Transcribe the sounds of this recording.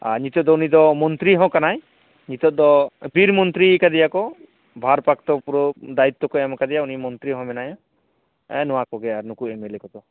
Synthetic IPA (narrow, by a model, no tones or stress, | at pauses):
a̰ɲit̪ɔt̪̚d̪ɔunid̪ɔmɔnt̪ɾiɦɔ̃kanaj | ɲit̪ɔt̪̚d̪ɔbʱiɾmɔnt̪ɾikad̪ɛjakɔ | bʱaɾpakt̪ɔpuɾɔd̪ait̪ːɔkɔɛmakad̪ɛjaunimɔnt̪ɾiɦɔ̃mɛnajɔ̃ | ɛnɔwakɔɡɛaɾnukuɛmelɛkɔd̪ɔ